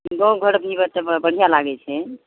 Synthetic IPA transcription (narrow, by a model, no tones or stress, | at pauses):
ɡoɡʱəɾəpnibət̪ːəbəɽ̤ijalaɡɛt͡ʃʰɛ